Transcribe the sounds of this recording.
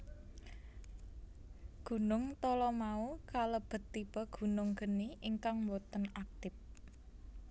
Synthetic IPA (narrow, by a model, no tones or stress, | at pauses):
ɡ̥ṳnʊŋt̪ɔlɔmaukaləb̥ə̤t̪ːib̥ɔ̤ɡ̥ṳnʊŋɡ̥ə̤niʔiŋkaŋwɔt̪ənak̚t̪ɪp̚